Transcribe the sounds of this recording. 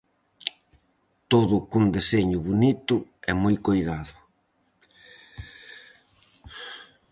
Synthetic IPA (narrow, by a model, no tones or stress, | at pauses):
t̪oðʊkund̪eseɲʊβonit̪ʊɛmojkojðaðʊ